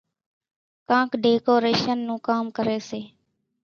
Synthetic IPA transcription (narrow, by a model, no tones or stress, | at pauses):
kãːkʰɖeːkoːɾeːʃənːũːkaːmkəɾeːseː